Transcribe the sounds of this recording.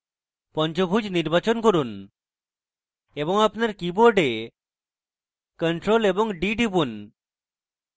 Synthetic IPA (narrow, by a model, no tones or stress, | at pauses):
pɔnt͡ɕobʱud͡ʑniɾbat͡ɕonkoɾun | ebɔŋapnaɾkiboɾɖe | kəɳʈɾolebɔŋɖiʈibun